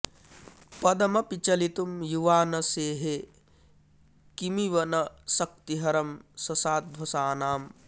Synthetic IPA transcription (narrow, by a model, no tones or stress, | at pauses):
pɐd̪ɐmɐpit͡ʃɐlit̪umjuʋaːnɐseːɦe | kimiʋɐnɐsɐk̚t̪iɦɐɾɐmsɐsaːd̪̚bʱɐsaːnaːm